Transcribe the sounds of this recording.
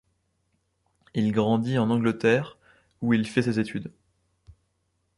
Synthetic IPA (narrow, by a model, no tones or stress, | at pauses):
ilɡʁɑ̃d̪iɑ̃nɑ̃ɡlət̪ɛʁ | uilfɛsezet̪yd̪